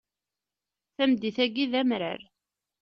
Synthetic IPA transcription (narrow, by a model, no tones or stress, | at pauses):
θæmd̪iθæɡiðæmɾə̰ɾ